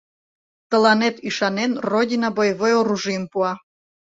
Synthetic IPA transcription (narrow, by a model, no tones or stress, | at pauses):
t̪ə̆lɑnet̪iʃɑnenrodʲinabojvojoɾuʒɨmpuɑ